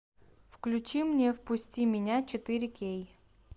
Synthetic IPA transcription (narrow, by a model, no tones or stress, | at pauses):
fklʲʉt͡ɕimnʲefpʊsʲtʲimʲɪnʲat͡ɕɪt̪ɨɾʲɪkʲej